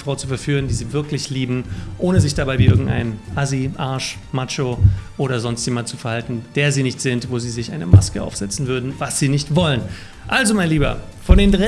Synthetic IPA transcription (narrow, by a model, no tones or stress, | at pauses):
fʁ̥aʊt͡sufɛɐfyːʁ̞əndiːziːvɪɐklɪçliːbm̩ʔoːnəzɪçd̥abaɪviːʔɪɐɡŋ̩tʔa̰ɪnʔaziʔaɐʃ | mat͡ʃoʔoːɾɐzɔnstjemantt͡su̥fɛɐhaltn̩d̥eːɐziːnɪçtz̥ɪntv̥oːziːzɪçʔaɪnəma̰skəʔa̰ʊfz̥ɛt͡sn̩vʏɐdn̩vasz̥iːnɪçtv̥ɔlən | ʔalzomaɪnliːbɐ̰ | fɔndeːndʁa